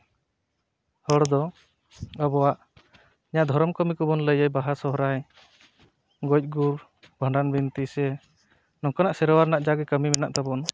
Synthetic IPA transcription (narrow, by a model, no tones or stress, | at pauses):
hɔɽd̪ɔ | əbɔwaʔ | iɲaʔd̪ʱɔɾɔmkɔmikɔbɔnləjəjbaɦasɔɦɾaj | ɡɔjc̪̚ˀɡuɾ | bʱəɳɖanbint̪isɛ | nɔŋkɔnaʔsɛɾɔwaɾnaʔd͡ʒaɡɛkəmimɛnaʔt̪abɔn